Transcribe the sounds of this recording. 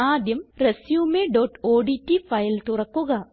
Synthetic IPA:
aːd̪jɐmresjuːmeɖoːʈoːɖitːifɐjlt̪urɐkːuɣɐ

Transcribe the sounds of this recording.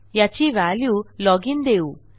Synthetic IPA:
jat͡ɕiʋaljulɔɡind̪eu

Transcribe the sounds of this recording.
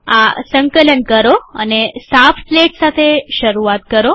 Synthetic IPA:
asə̃ŋkələnkəɾoə̰nesafpleʈsat̪ʰeʃəɾuat̪̚kəɾo

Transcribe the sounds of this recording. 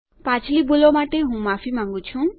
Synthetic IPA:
pat͡sʰlibulomaʈeɦũmafʰimãŋɡut͡ɕʰũ

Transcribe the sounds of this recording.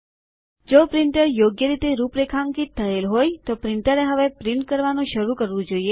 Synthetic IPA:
d͡ʒopɾiɳʈəɾjoɡjəɾit̪eɾupɾekʰaŋkit̪ʰːəelɦojt̪opɾiɳʈəɾeɦəʋepɾiɳʈ̚kəɾʋanũʃəɾũkəɾʋũd͡ʒoie

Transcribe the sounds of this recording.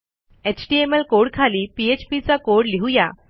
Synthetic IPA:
et͡ɕʈiemelkoɽkʰaliːpiet͡ɕpit͡sakoɽliɦuja̰

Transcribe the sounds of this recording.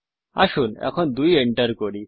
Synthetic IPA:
a̰ʃunɛ̰kʰɔnd̪ujeɳʈəɾkoɽi

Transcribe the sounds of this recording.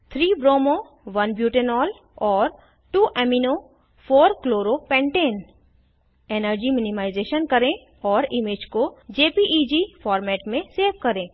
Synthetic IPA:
t̪ʰɾiːbɾoːmo | ʋɐnbjuːʈenɔːl | ɔːɾ | ʈuːʔɛmino | foːɾkloːɾopɛ̃ːɳʈeːn | eːnəɾd͡ʒimɪnɪmaːɪzeːʃənkɐɾẽ | ɔːɾɪmed͡ʒkod͡ʒeːpiʔid͡ʒifɔːɾmɛːʈmẽseːʋkɐɾẽː

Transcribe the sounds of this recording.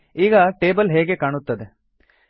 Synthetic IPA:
iːɡɐʈeːbɐlɦeːɡe̞kaːɳut̪ːɐd̪e

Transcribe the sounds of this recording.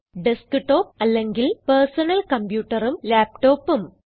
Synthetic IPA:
ɖeskɨʈːo̞ːp̚ɐlːeŋɡilpersɐnɐlkɐmpjuːʈːɐrumlaːp̚ʈo̞ːpːum

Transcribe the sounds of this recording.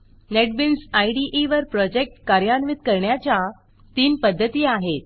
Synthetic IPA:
neʈ̚binsajɖiʔeʋəɾpɾɔd͡ʑek̚ʈkaɾjanʋit̪kəɾɳjat͡ɕa | t̪iːnpəd̪ʱːət̪iːaɦet̪̚

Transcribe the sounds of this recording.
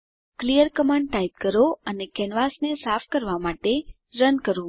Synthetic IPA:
klijəɾkəmãɳɖʈaip̚kəɾoənekɛnʋasnesafʰkəɾʋamaʈe | ɾənkəɾũ

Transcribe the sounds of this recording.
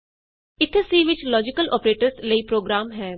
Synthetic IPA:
ɪt̪ʰːsiːʋɪt͡ʃlɔːd͡ʒɪkəlʔɔ̰ːpɾeːʈəɾsləiːpɾoːɡɾaːmɦɛː

